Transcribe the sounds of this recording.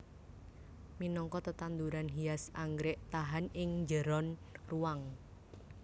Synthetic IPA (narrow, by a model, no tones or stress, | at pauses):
minɔŋkɔt̪ət̪and̪uɾanɦiasaŋɡɾɛʔt̪aɦanɪŋd͡ʒəɾɔnruwaŋ